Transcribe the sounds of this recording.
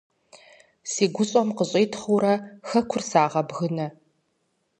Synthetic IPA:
siːɡʷʊɕʼɔmqəɕʼeːtʰχuɾɐxɐkʷʰʊrsaːʁɐbɣɨnɐ

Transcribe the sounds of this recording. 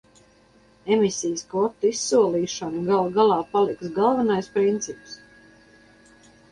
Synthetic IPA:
emisʲijəskvɔt̪ːisːuɔlˠiːʃɔnuɡalˠɡalˠɑːpalˠiksɡalˠvanajspɾint̪sips

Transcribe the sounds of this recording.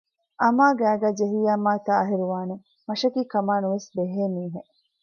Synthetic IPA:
ʔɐmaːɡæːɡæːd͡ʒeɦijaːmaːt̪aːɐɦiɾuʋaːne | mɐʃɐkiːkɐmaːnuʋesbeɦeːmiːɦe

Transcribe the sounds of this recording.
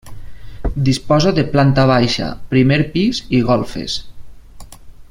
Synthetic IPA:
d̪ispɔzaðeplant̪aβ̞ajʃa̰pɾimeɾpiziɣɔlˠfḛs

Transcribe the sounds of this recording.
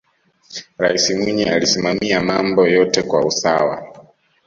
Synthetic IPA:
ɾaisimwiɲɛalisimamiamambɔjɔtɛkwausawa̰

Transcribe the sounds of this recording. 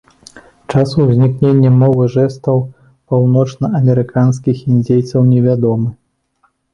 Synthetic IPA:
t͡ʂasuzʲnʲiknʲenʲːɛmɔvɨʐɛst̪ɐw | pawnɔt͡ʂnɐɐmʲɛɾɨkanskʲixinʲd͡zʲejt̪sɐwnʲɛvʲad̪ɔmɨ

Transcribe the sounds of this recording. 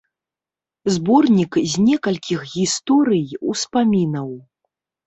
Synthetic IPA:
zbɔrnʲikzʲnʲɛkɐlʲkʲixɣʲist̪ɔɾɨjuspamʲinɐw

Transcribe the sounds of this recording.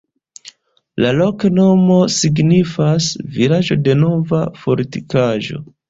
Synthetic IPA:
lalo̞kno̞mo̞siɡnifasvilaʒo̞de̞no̞vafo̞ɾtikaʒo̞̰

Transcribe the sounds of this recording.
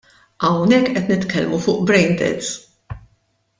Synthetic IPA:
ʔɐwnɛkːʔɛt̪nɪt̪kɛlmufʊːʔbɾɛjnd̪ɛ̰t̪s

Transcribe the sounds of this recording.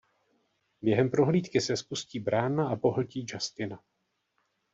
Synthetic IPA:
bjɛɦɛmpɾo̞ɦliːt̪kɪsɛspusciːbɾaːnaʔapo̞ɦl̩ciːd͡ʒast̪ɪna

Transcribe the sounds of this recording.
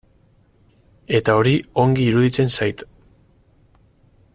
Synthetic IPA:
e̞t̪ao̞ɾio̞ŋɡiːɾuðit͡se̞nsajt̪

